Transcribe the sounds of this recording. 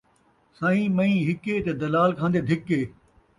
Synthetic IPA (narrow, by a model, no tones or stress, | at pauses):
sãːĩːmɐ̃ĩːɦɪket̪ed̪ɐlaːlkʰãːnd̪ed̪ʱɪkeː